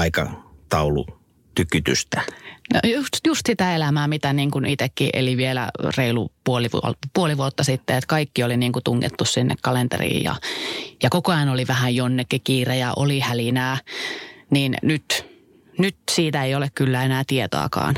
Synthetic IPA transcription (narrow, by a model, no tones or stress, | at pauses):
ɑikɑ̰t̪ɑulṵ | t̪ykːyt̪y̰st̪æno̰jusjust̪sit̪æelæmæːmit̪æniːŋkunit̪ekːiʔḛliʋielæ̰reilṵpuoliʋuo̰puoliʋuot̪ːɑsit̪ːeet̪kɑikːioliniːŋkut̪uŋːḛt̪ːussinːʔḛkkɑlent̪ḛrḭːjjɑ̰jɑkokoɑjɑnoliʋæhæjjonːekːikiːrejæʔolihælinæː | niːnnyt̪ | nyt̪siːt̪æeijolekkylːæenæːt̪iet̪o̰ɑ̰kɑ̰ːn